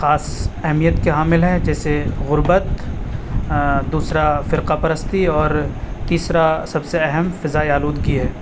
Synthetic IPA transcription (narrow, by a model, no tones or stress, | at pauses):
xaːsɛɦmijət̪keɦaːmɪlɦɛ̃d͡ʒɛːseɣʊɾbət̪ | d̪uːsɾafɪɾqapɐɾəst̪iɔːɾt̪iːsɾasɐbseɛɦɛmfɪzaːiaːluːd̪ɡiɦɛː